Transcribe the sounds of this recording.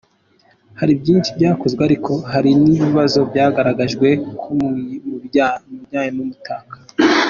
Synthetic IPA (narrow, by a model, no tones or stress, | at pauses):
haɾibjiːnʃibɟaːkozɡweaɾikʰo̞haɾiniβiβazo̞bjaːɡaɾaɡaʒɡwe̞kʰomumubjaːɲimumutʰaːkḁ